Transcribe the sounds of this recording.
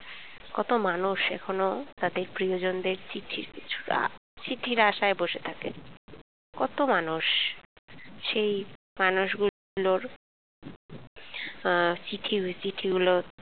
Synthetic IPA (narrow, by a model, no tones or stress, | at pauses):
kɔt̪omanuʃɛ̰kʰonot̪ad̪eɾpɾiod͡ʑond̪eɾt͡ɕiʈʰːiɾkit͡ɕʰu̥̰t͡ɕiʈʰiɾaʃaeboʃet̪ʰakḛ | kɔt̪omanuʃ | ʃej | manuʃɡu | loɾ | t͡ɕiʈʰit͡ɕiʈʰiɡulo